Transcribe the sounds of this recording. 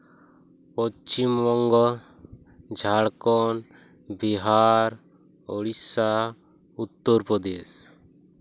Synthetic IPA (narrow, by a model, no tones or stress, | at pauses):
pɔt͡ʃimːɔŋɡɔ | d͡ʒʱaɽkɔn | biɦaɾ | ɔɽisa | ut̪ːɔɾpɾɔd̪es